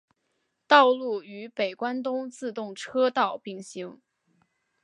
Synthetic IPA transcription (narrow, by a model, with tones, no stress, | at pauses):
t̪ɑ˥˧ʊlu˥˩y˧˥pe˨˩ɪkwa˥nt̪ʊ˥ŋt͡sɹ̩˥˧t̪ʊ˥˩ŋʈ͡ʂʰɤ˥t̪ɑ˥˧ʊpi˥˩ŋɕi˧˥ŋ